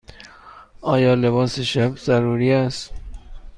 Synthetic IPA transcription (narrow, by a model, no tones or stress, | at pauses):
ʔɒːjɒːle̞βɒːseʃæbz̥æɾuːɾiːæst̪